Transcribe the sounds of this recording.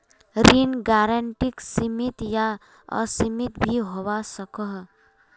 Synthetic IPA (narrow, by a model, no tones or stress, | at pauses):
ɾinɡaːɾəɳʈiksimit̪ja | ɔ̰simit̪bʱiɦowasəkəɦ